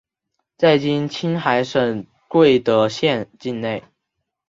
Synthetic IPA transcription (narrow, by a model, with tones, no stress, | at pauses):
t͡sa˥˩ɪt͡ɕi˥nt͡ɕʰi˥nxa˧˥ɪʂə˨˩ŋ | kwe˥˩ɪt̪ə˧˥ɕjɛ˥˧nt͡ɕi˥˧nne˥˩ɪ